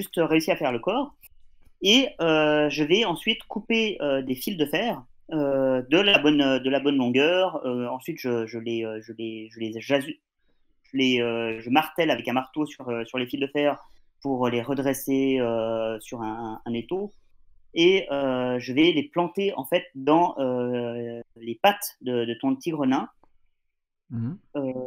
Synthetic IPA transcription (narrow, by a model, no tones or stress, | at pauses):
ʒyst̪øʁeysiʁafɛʁləkɔːʁ | eøʒəvɛɑ̃sɥit̪kupeød̪efild̪əfɛːʁød̪əlabɔnød̪əlabɔnlɔ̃ɡœʁøɑ̃sɥit̪ʒ̥əʒəleøʒəleʒəleʒazy | ʒ̥əleøʒəmaʁt̪ɛlavɛkɛ̃maʁt̪osyʁøsyʁlefild̪əfɛːʁ | puʁleʁəd̪ʁeseøsyʁɛ̃ɛ̃net̪o | eøʒəvɛleplɑ̃t̪eɑ̰̃fɛt̪̚d̪ɑ̃ø | lepat̪d̪əd̪ət̪ɔ̃t̪ʰiɡʁɔnɛ̃ | ø